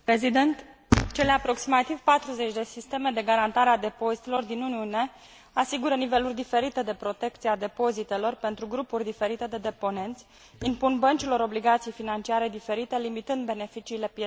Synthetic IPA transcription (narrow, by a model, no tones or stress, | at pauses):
pɾezid̪ent̪t͡ʃe̞leapɾo̞ksimat̪ivpat̪ɾuze̞t͡ʃʲd̪e̞sist̪e̞me̞d̪e̞ɡaɾant̪aɾead̪e̞po̞zit̪elo̞rd̪inuniune̞ | asiɡuɾənive̞lurʲd̪ife̞ɾit̪e̞d̪e̞pɾo̞t̪e̞kt̪siad̪e̞po̞zit̪e̞lo̞rpe̞nt̪ɾuɡɾupurʲd̪ife̞ɾit̪e̞d̪e̞d̪e̞po̞ne̞nt̪sʲ | impunbənt͡ʃilo̞ɾo̞bliɡat̪sijejfinant͡ʃiaɾe̞d̪ife̞ɾit̪e̞limit̪ɨnd̪be̞ne̞fit͡ʃiːle̞pie